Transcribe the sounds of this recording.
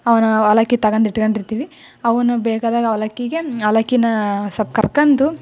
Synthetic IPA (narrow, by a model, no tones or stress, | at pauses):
ɐʋɐnɐɐlɐkːit̪ɐɡɐnd̪iʈːkoɳɖiɾt̪iːʋi | ɐʋɐnubɛːkaːd̪aːɡɐɐlɐkːiɡeɐlɐkːinɐsɐb̚kɐɾkɐnd̪u